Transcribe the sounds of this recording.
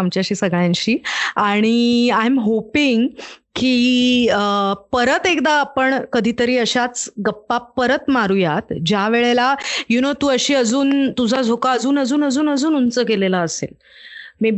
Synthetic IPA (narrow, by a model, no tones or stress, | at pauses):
amt͡ɕjaɕiːsəɡɭjãnɕiːaɽ̃iajmɦopiŋɡkiəpəɾət̪ekd̪aːpəɳkəd̪ʱiːt̪əɾiːəɕat͡sɡəpːapəɾət̪maɾuːjat̪d͡ʑjaʋeɭelajunot̪uːəɕiːəd͡zuːnt̪ud͡zʱad͡zʱokaəd͡zuːnəd͡zuːnəd͡zuːnəd͡zuːnunt͡səːkelelaːsḛl | miː